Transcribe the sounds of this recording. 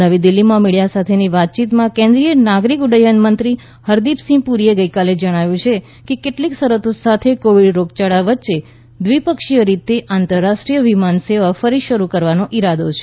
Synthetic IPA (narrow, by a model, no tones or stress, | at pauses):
aʋid̪ɪlːimãmiɽijasat̪ʰeniʋat̪̚t͡ʃit̪mãkẽnd̪ɾijənaɡɾikʊɖəjənmənt̪ɾi | həɾd̪ipsĩpuɾieɡəikaled͡ʒəɽ̃aʋjũt͡ʃʰe | kekeʈliksəɾət̪osat̪ʰekoʋiɖɾoɡt͡ʃaɽaʋətːʃe | d̪ʋipəkʃijəɾit̪eʔant̪əɾːaʃʈɾijəʋimanseʋafəɾiʃəɾukəɾʋanoʔiɾad̪ot͡ʃʰe̥